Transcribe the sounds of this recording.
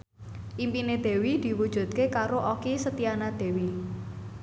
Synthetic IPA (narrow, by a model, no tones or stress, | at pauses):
ʔimpined̪̥e̤wid̪̥i̤wud̥ʒ̥ṳt̪̚kekaɾoʔokisət̪ianad̪̥e̤wi